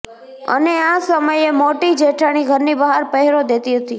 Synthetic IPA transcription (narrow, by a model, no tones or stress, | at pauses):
ə̰neasəməjemoʈid͡ʒeʈʰaɽ̃iɡʱəɾnibəɦaɾpəɦɛɾod̪et̪iɦət̪i